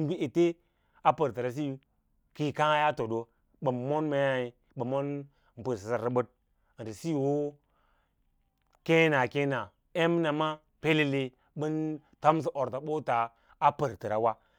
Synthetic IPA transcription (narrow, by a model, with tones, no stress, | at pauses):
m˦bi˦e˨te˦ | a˦pə˨ɾtɨ˨ɾa˨s̬i˦˨ | ki˨ka˦ŋa˦ja˦to˨do˨ | ɓɨ˨m˨mo˦nme˨˦ja˦i˨ | ɓɨ˨mo˦n˨ | m̩˨pə˨ɾsi˨sa˦˨ɾɨ˦bə˦t̚ | ti˨si˦˨wo˦ | ke˦na˨ke˦na˨ | e˦m˦na˨ma˦ | pe˦le˦le˦ | ɓɨ˦n | ta˦m˦s̬i˦ʔo˨ɾta˨ɓo˦taː˨˦ | pə˨ɾtɨ˨ɾa˨wa˦